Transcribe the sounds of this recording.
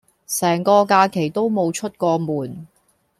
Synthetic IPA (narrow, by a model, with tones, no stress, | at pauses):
sɛː˨˩ŋkɔː˧kaː˧kʰe˨˩jt̪o˥wmo˨˧wt͡ʃʰɵ˥t̚kɔː˧muː˨˩n